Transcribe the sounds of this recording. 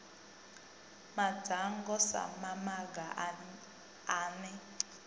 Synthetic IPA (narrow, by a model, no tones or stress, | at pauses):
mḁd̥ʱaŋɡɔsa̰mamaɡa | aːnɛ